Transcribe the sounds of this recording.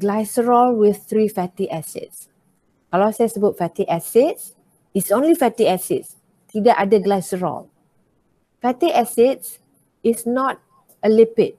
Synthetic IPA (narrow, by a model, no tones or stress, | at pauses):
ɡlaɪsɹɔlwiθt̪ɹifɛtiʔɛsɛ̰t̚s | kɔlɔsɛ̃sbutfɛtiʔɛsits | itsõnlifɛtiɛsits | tʰidəʔadəɡlajsəɹɔ̰l | fɛtiʔɛsits | isnɔt̚ | əlipɪt̚